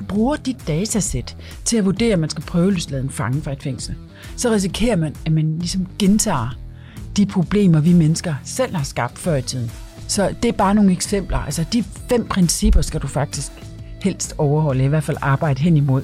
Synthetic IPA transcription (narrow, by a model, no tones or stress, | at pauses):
b̥ʁuːɐd̥id̥ːɛːt͡sʰæsed̥ | t͡sʰe̝æʋuɐd̥e̝̰ːɐmænsɡ̥æpʰʁœːʊlyːslɛð̞ˠn̩fɑ̈ŋəfʁɑ̈e̝d̥feŋ̰sl̩ | sɒ̽ʁis̬ikʰe̝̰ːɐmænæmænlisɒ̽mɡ̥ent͡sʰɑ̰̈ː | d̥ipʰʁo̝b̥le̝̰ːmɐʋimenəsɡ̥ɐsel̰hɑ̈sɡ̥ɑ̈b̥̚d̥fɶɐit͡sʰið̰ˠn̩ | sɒ̽d̥e̝æɐb̥ɑ̈ːno̝ːŋ̩eɡ̥sem̰b̥lɐælsɐd̥ifem̰pʰʁɛnsib̥ɐsɡ̥æd̥ufɑ̈ɡ̥̚d̥isɡ̥ | hel̰sd̥ɒʊɐhɒ̽l̰əiʋæɐ̥fælɑ̈ːb̥ɑ̈ɪ̰d̥əɦen̰imo̝ð̞̰ˠ